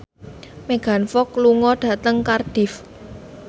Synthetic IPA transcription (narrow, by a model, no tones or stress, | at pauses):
meɡ̥a̤nfɔkluŋɔɖ̥ä̤t̪əŋkard̥ɪ̤f